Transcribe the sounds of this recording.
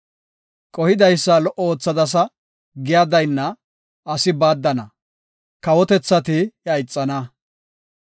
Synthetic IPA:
kʼɔhɪd̪ɐjsːɐlɔʔɔoːt͡sːɐd̪ɐs̬ɐ | ɡɪjaːd̪ɐjnːɐ | ɐsɪbaːd̪ːɐnɐ̰ | kɐwɔt̪ɛt͡sːɐt̪ɪjɐjɪt͡sʼːɐnɐ

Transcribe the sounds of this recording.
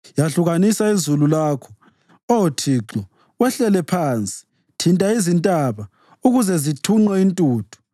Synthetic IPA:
jaɬuɣanisaizululaːkʰɔ̥ | ɔtʰiːǁɔ | wɛɬɛlɛpʰaːnt͡sʼi̥ | tʰintʼaizintʼaβa | uɣuzɛzitʰuŋ͡ǃɛintʼuːtʰu̥

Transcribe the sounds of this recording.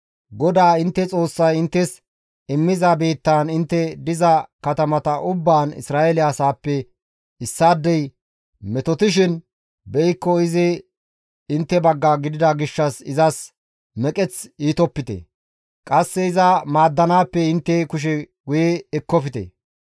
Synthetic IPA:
ɡɔd̪aːɪnt̪ːɛt͡sʼo̞ːsːɐjɪnt̪ːɛs | ɪmːɪzɐbe̞ːt̪ːaːnɪnt̪ːɛd̪ɪzɐkɐt̪ɐmɐt̪ɐʔʊbːaːnɪ̰sɾaːelɪaːsaːpːɛ | ɪsːaːd̪ːɛj | mɛt̪ɔt̪ɪʃ̬ɪn | bɛjkːɔɪzɪ | ɪnt̪ːɛbɐɡːaɡɪd̪ɪd̪ɐɡɪʃːɐsɪzɐs | mɛkʼɛt͡siːt̪ɔpːɪt̪ɛ̰ | kʼɐsːɛɪzɐmaːd̪ːɐnaːpːɛɪnt̪ːɛkʊʃ̬ɛ | ɡʊjɛːkːɔfɪt̪ɛ̰

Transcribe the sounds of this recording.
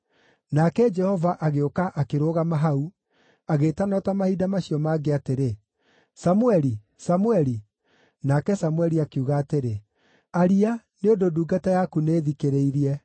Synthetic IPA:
nakɛd͡ʒɛhɔvaʔaɣeokaʔakeɾoːɣamaɦau | aɣeːtanɔtamahidamaɕiɔmaːɡeateɾe | samuɛɾi | samuɛɾi | nakɛsamwɛɾiakeuɣaːteɾe | aɾia | neondoduːɡatajakuneːðikeɾeiɾiɛ

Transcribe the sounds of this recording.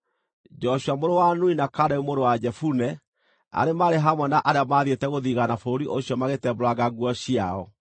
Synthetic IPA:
d͡ʒɔɕuamoɾowanuinakadɛumoɾowad͡ʒɛfunɛ | a̰ɾemaɾeɦamwɛnaʔaɾeamaðietɛɣoðiɣanafooɾiʔoɕjɔmaɣetɛboɾwaɣaɣwɔɕiaɔ

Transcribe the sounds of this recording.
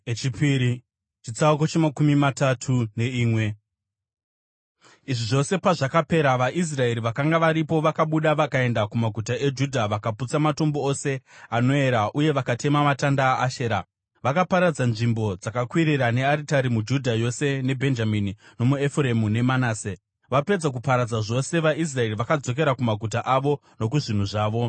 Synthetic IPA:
et͡ʃipiːɾi | t͡ʃit͡sauko̞t͡ʃemakumimatatʰune̞iːmwe̞ | iʐiʐo̞se̞paʐakape̞ɾaʋaʔis̬rae̞ɾiʋakaŋɡaʋaɾipo̞ʋakaɓuɗaʋakae̞ndakumaɡʱutaʔe̞d͡ʒudʱaʋakaput͡samato̞mbo̞ose̞ano̞e̞ɾaʔuje̞ʋakatʰe̞mamatandaːʃeːɾa | ʋakapaɾad͡zanʐimbo̞d͡zakakwiɾiɾane̞aɾitaɾimud͡ʒudʱajo̞se̞ne̞bʱe̞nd͡ʒaminino̞muefremune̞manaːse | ʋape̞d͡zak̬upaɾad͡zaʐo̞se̞ʋais̬rae̞riʋakad͡zo̞k̬e̞ɾakumaɡʱut̬aʔaʋo̞ | no̞k̬uʐin̤uʐaːʋo̞

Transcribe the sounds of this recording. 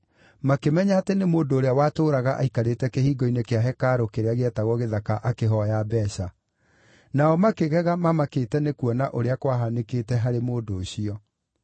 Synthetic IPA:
makemɛɲaatenemoːndoːɾeawaːtoːɾaɣaʔaikaɾetɛkehiːɡɔinekeaɦɛkaɾokeɾeaɣeɛtaɣɔɣeðakaʔakeɦɔjabɛːɕa | naɔmakeɣɛɣamamaketɛnekuɔnaʔoɾeakwaɦanekeːtɛɦaɾemoːndoːɕiɔ

